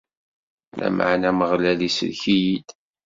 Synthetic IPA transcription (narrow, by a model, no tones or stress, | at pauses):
lʔæ̰mʔa̰ʕnæməʁlælisə̰lçijid̪